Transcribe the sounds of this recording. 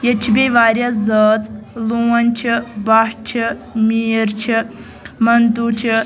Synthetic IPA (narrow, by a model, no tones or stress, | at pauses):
jɐt͡ʃʰibʲeʋaːɾʲjazət͡sluwɐnʲt͡ʃʰibaʂt͡ʃʰimiːɾt͡ʃʰi | mɐnt̪ut͡ʃʰi